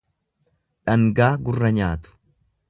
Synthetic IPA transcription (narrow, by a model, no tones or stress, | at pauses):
ᶑɐŋɡaːɡʊrːɐɲaːt̪ʊ̥